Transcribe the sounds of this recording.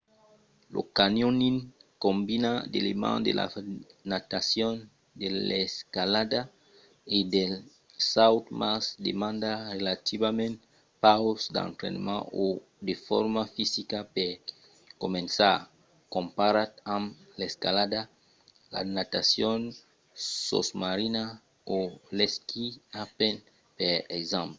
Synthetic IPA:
lo̰kanjoninkombinad̪ḛlemã̰nd̪ḛla̰nat̪asjon | d̪eleskalad̪a | idel | sawt̪masd̪ḛmãnd̪arelat̪ʰiβamẽnt̪ | pawosd̪ã̰ŋkɾḛnmã̰o | d̪efɔɾmafisikape | komẽnsa | kõmpaɾat̪ãm | leskalad̪a | la̰nat̪asjon | so̰smaɾina | oleskʰiapen | peɾekzãmplo

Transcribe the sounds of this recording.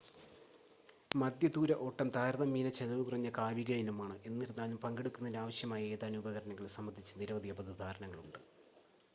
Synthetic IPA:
mɐd̪jɐd̪uːɾɐʔo̞ʈːɐmt̪aːɾɐðɐmːiːnɐt͡ɕeðɐʋɨkurɐɲːɐkaːʋiɣɐjinumaːɳɨʔe̞nːiɾunːaːɲːumpɐŋɡeɽukːunːɐðiaːʋɐɕjɐmaːjɐe̞ːðaːnuːbɐɣɐɾɐnɐŋːɐɭsɐmːɐnd̪ʱit͡ɕːɐniɾɐʋɐðijɐbɐðɨd̪ʱaːɾɐnɐŋːɐɭuɳɖɨ

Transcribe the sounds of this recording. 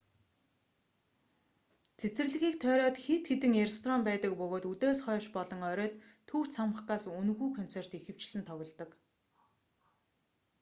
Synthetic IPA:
t͡sʰet͡sɘ̆rɮɘ̆ɣiːk̚t̪ʰœːɾɔːt̪xet̪xet̪ɘ̆ŋerest̪ʰrɔmpæːt̪ə̆kpɵɣoːt̪ut̪eːsχœːʃpɔɮɞ̆ŋœɾœːt̪ʰː | uwt͡sʰamə̆χɢaːsunɣuːkʰɔn̥t͡ser̥t̪ixɘ̆w̥t͡ɕɮɘ̆nt̪ʰɔɣɞ̆ɮt̪ɞ̆k

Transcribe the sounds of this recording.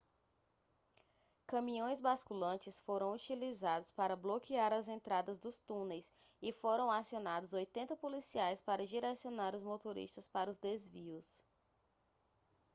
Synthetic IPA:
kɐ̃mĩõj̃zbaskulɐ̃nt͡ʃɪsfoɾɐ̃w̃ut͡ʃilizad̪ʊspaɾɐblokiaɾɐzẽnt̪ɾad̪ɐzd̪ʊst̪ũnejsɪfoɾɐ̃w̃asionad̪ʊzojt̪ẽnt̪ɐpolisiajspaɾɐʒiɾesionaɾʊzmot̪oɾḭʃt̪ɐspaɾɐʊzd̪ezviʊs

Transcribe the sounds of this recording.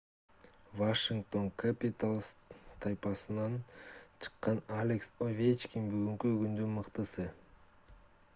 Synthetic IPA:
vaʂiŋk̚t̪o̞ŋkʰapʲit̪alˠst̪ʰajpɑsɯnɑnt͡ʃʰɨ̥qːɑnalʲeksovʲet͡ʃkʲiŋbyɡyŋkyɡynd̪ynmɯqt̪ɯsɯ

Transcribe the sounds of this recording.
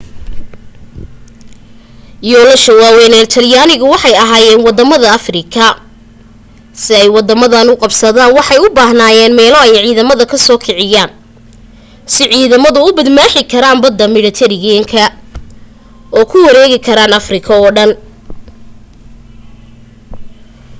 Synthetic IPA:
jɔːlɐʃɐwaːwɛːnɛːlt̪ʰɐljaːnɪɣʊwɑħɑjɐɦaːjɛːnwɑd̪ːɐmɐðɐɐfrɪkʰɐ | sɪɛjwɑd̪ɐmɐðɐnʊqɑbsɐðaːnwɑħɑjʊbaːhnaːjɛːnmɛːlɔɛjʕiːðɐmɐðɐkʰɐsɔːkʰɪʕɪjaːn | sɪʕiːðɐmɐðʊʊbɐd̪maːħɪkʰɐɾaːnbɐd̪ːɐmɪɽɐt̪ʰɛɾɪjɛŋkʰɐ | ɔːkʰʊwɐɾɛːɣɪkʰɐɾaːnɐfrɪkʰɐɔːɖɐn

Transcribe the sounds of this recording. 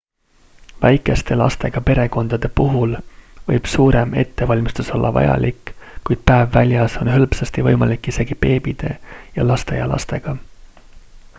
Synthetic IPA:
væjkːˑe̞st̪e̞lɑ̰st̪e̞ɡ̥ɑpe̞ɾe̞ko̞nd̪̥ɑd̪̥e̞puɦulvɤjb̥suːɾe̞me̞̰t̪ːe̞vɑlʲmist̪uso̞lːʔɑ̰vɑ̰jɑ̰lʲʔikːkːujd̪̥̚pæevːælʲjɑso̞nɦɤlpsɑst̪ivɤjmɑlikːˑise̞ɡ̥ipe̞ːb̥id̪̥e̞jɑlɑst̪ejɑ̰lʔɑ̰st̪eɡ̥ɑ

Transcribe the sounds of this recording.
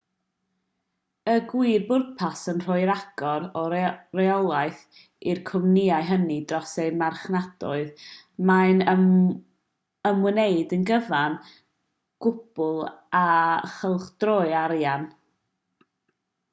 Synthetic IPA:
əɡwiːrbʊrpʰasənr̥ʊɨɾaɡ̥ɔɾɔrɛɔlˠaɨθ | irkʰʊmniaɨɦənidrɔsejmarχnad̥ɔ̰ɨð | majn | əmwəneɨdənɡəvan | ɡ̥ʊb̥ʊlˠaχəlˠχd̥roːɨaɾjan

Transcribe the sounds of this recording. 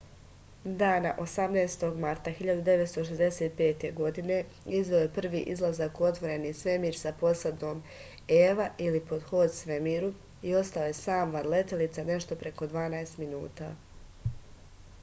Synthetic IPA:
d̪aːnaʔo̞samnaːst̪o̞ɡmaɾt̪axiʎad̪ud̪e̞ʋet̪st̪o̞ʃ̬ezd̪e̞se̞ːt̪̚pe̞ːt̪e̞ɡo̞d̪ine̞ | izʋeoje̞pr̩ʋḭːʔizlˠazakuot̪ʋo̞ɾe̞nisʋe̞miːɾsapo̞sad̪o̞ːm | eʋaʔilipo̞d̪xo̞ːd̪sʋemiːɾu | io̞st̪aoje̞saːmʋanle̞t̪e̞lit̪sane̞ʃt̪o̞pɾe̞ko̞d̪ʋaːnaest̪minṵːt̪a̰ː

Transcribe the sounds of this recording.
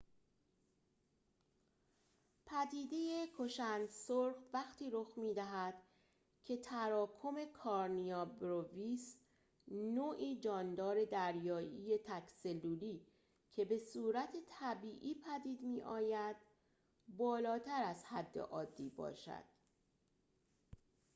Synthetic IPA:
pʰæd̪iːd̪e̞je̞kʰo̞ʃænd̪soɾxvæxt̪ʰiːɾoxmiːd̪æɦæd̪̥ | cʰe̞t̪ʰæɾɒːkʰo̞me̞kʰɒːɾnijɒːbɾovis | noːʔiːd͡ʒɒːnd̪ɒːɾe̞d̪æɾjɒːjije̞t̪ʰækse̞lːuːliː | cʰe̞be̞suːɾæt̪ʰet̪ʰæbiːʔiːpʰæd̪iːd̪miːʔɒːjæd̪̥ | bɒːlɒːt̪ʰæɾæzhæd̪ːe̞̰ʔɒːd̪ːiːbɒ̰ːʃæ̰d̪̥

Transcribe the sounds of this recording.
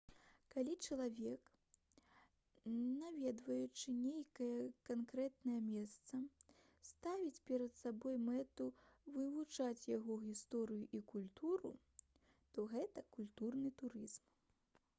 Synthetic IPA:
kalʲit͡ʂɐlˠavʲɛk | navʲɛd̪vɐjut͡ʂɨnʲejkɐjɐkankɾɛt̪nɐjɐmʲɛst̪sɐ | st̪avʲit͡sʲpʲɛɾɐt̪sabɔjmɛt̪uvɨvut͡ʂat͡sʲjaɣɔɣʲist̪ɔɾɨjuʔikulʲt̪uɾṵ | t̪ɔɣɛt̪ɐkulʲt̪urnɨt̪uɾɨzm

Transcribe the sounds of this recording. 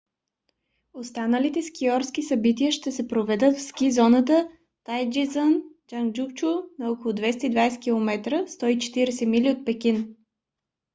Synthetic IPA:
ost̪anəlit̪ɛskʲiɔɾskisɐbit̪iəʃt̪ɛsɛpɾovɛd̪ət̪fskʲizɔnət̪ə | t̪ajd͡ʒizən | d͡ʒaŋd͡ʒukt͡ʃunɐɔkolˠʊd̪vɛst̪əid̪vajsɛ̥kʲilˠomɛt̪ɾəst̪ɔit͡ʃɛ̥t̪iɾɛsɛmiliot̪̚pɛkʲin

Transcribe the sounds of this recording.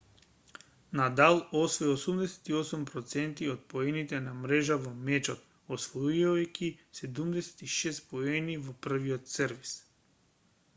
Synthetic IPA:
nad̪alˠosvɔjosumd̪ɛsɛ̥t̪iosumpɾɔt̪sɛnt̪iot̪̚poɛnit̪ɛnamɾɛʒavɔmɛt͡ʃɔt̪ | osvoukʲisɛd̪umd̪ɛsɛ̥t̪iʃɛst̪poɛnivopr̩viɔt̪sɛɾvis

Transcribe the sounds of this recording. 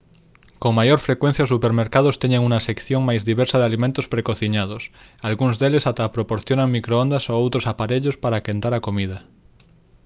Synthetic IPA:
koŋmajoɾfɾekwe̞n̟θjaosupeɾmeɾkað̞ost̪eɲeŋunasekθjoŋmajzðiβ̞eɾsaðealimẽnt̪ospɾekoθiɲað̞os | alɣunzðelesat̪apɾopoɾθjonaŋmikɾoond̪asoowt̪ɾosapaɾeʎospaɾakent̪aɾakomið̞a

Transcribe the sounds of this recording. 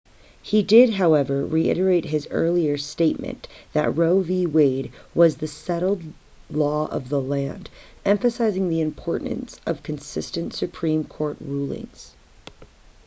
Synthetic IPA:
hidɪd̚ɦaʊɛvə˞ɹiʔɪ̰ɾə˞eɪt̚ɦɪzɜ̰˞lˠiə˞steɪt̚mɨ̰̃nðɨ̰ʔ̚ɹoʊviweɪd̚wʌzðɨsɛɾl̩ˠdˡ | lɔʌ̰vðəlæ̃nd | ɛ̃ɱfɨsaɪzɪ̃ŋðiɨ̃mpʰɔɹʔn̩sʌv̥kʰɨ̃n̩sɪstɨ̃ntsɨpʰɹ̥ĩmkʰɔɹt̚ɹulˠɪ̰̃ŋz̥

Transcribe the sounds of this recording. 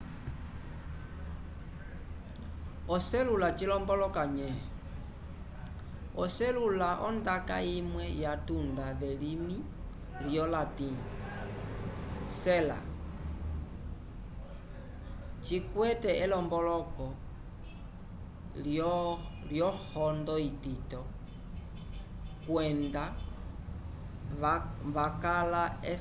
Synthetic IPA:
ɔsɛlulat͡ʃilɔmbɔlɔkaɲɛɛ | ɔsɛlulaʔɔ̰ndaka̰imwɛjatundaβɛlimi | ljɔlatin | sɛla̰ | t͡ʃikwɛtɛʔɛlɔmbɔlɔkɔ | ljɔhɔndɔititɔ | kwɛnda | βakalaɛ

